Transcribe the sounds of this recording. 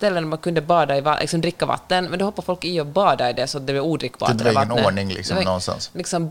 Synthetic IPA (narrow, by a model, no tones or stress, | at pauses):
st̪ɛlːənɔɾmɑnkʰʉnd̪əbɑːd̪ɑɪvɑlʔɪ̰ksɔmd̪ɾɪkːavɑ̰t̪ːənmɛnd̪ɔɔpːɑɾfɔlkɪɔbɑːd̪ɑɪd̪ɛsɔat̪̚d̪ɛblɛuːd̪ɾɪkːbɑ̰ɾɑɛnoɳɪŋlɪ̰ksd̪ɛnɔnst̪ɑ̰nslɪksɔm